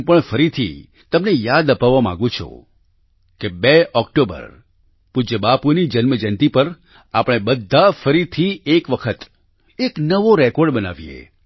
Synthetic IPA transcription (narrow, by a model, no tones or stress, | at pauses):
pəɳfəɾit̪ʰḭ | t̪əmnejad̪əpaʋːamã̰ɡũt͡ʃʰo̰ | kebeɔk̚ʈobə̰ɾ | pud͡ʒəbapunid͡ʒənməd͡ʒənt̪ipəɾ | apɽ̃ebəd̪ʱːafəɾit̪ʰiekʋəkʰət̪ | eknəʋoɾɛkɔɾɖbəna̰ʋijḛ